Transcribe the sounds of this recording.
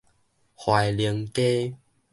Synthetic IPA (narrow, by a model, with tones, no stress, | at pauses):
hwa˨jli˧˦ŋke˦